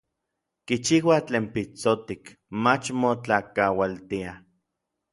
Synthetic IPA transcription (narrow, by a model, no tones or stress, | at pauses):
kit͡ʃiwat͡ɬeːmpit͡sot̪ik | mat͡ʃmot͡ɬakawalt̪ia